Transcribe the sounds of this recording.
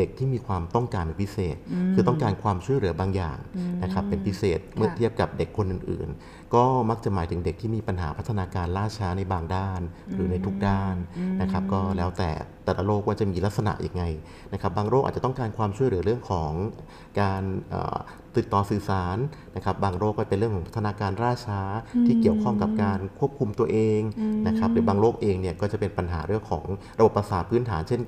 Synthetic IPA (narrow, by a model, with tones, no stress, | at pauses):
de˨˩k̚t̪ʰiː˥˩miː˧kʰwaː˧mt̪ɔ˥˩ŋkaː˧nla˧˩pʰi˦˥seː˨˩t̪̚kʰɯː˧ɔ˥˩ŋkaː˧nkʰwaː˧mt͡ɕʰu˥˩əjlɯ˩˦ɐbaː˧ŋja̰ː˨˩ŋna˦˥kʰa˦˥pːe˧npʰi˦˥seː˨˩t̪̚mɯ˥ɐt̪ʰi˥˩əp̚ka˨˩p̚de˨˩kʰːo˧nʔɯː˨˩nʔɯ̰ː˨˩n | kɔː˥˩ma˦˥k̚t͡ɕa˨˩maː˩˦t̪ʰɯ˩˦ŋde˨˩k̪̚ʰiː˥˩miː˧pa˧nɦa̰ː˩˦pʰa˦˥t̪ʰːa˧naː˧kaː˧nlaː˥˩t͡ɕʰaː˦˥na˧jbaː˧ŋdaː˥˩nɾɯː˩˦na˧jt̪ʰu˦˥k̚daː˥˩nːa˦˥kʰa˦˥p̚kɔː˥˩lɛː˦˥wt̪ɛ̰ː˨˩t̪ɛː˨˩la˧loː˥˩k̚waː˥˩t͡ɕa˨˩miː˧la˦˥k̚sa˧na̰˨˩ʔjʔa̰˧ŋːa˧j | na˦˥kʰa˦˥p̚baː˧ŋɾoː˥˩ʔa̰˨˩t͡ɕa˨˩t̪ɔ˥˩ŋkaː˧nkʰwaː˧mt͡ɕʰu˥˩əjlɯ˩˦ɾɯ˥˩əŋkʰɔː˩˦ŋ | kaː˧nʔə̰ː˨˩ | t̪i˨˩t̪ːɔː˧sɯː˨˩saː˩˦nna˦˥kʰa˦˥p̚baː˧ŋɾoː˥˩k̚ːɔː˥˩pe˧nɾɯ˥˩əŋʰkɔː˩˦ŋpʰa˥t̪ʰːa˧nː˧kaː˧nɾaː˥˩t͡ɕʰaː˦˥t̪ʰiː˥˩ki˨˩əwkʰɔ˥˩ŋka˨˩p̚kaː˧nkʰu˥˩əp̚kʰu˧mt̪u˧ɐʔeː˧ŋna˦˥kʰɾa˦˥p̚ɾɯː˩˦baː˧ŋloː˥˩k̚ʔeː˧ŋni˥˩ɐkɔː˥˩t͡ɕa˨˩pe˧npa˧nɦaː˩˦ɾɯ˥˩əŋkʰɔ̰ː˩˦ŋ | ɾa˧bo˨˩pːa˧saː˩˦npʰɯː˦˥nt̪ʰaː˩˦nt͡ɕʰe˥˩